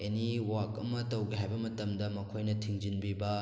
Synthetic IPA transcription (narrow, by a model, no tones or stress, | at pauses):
eniwakɐmɐtɐwɡiɦajbɐmɐtɐmdɐmɐkʰojnɐtʰiŋd͡ʒinbibɐ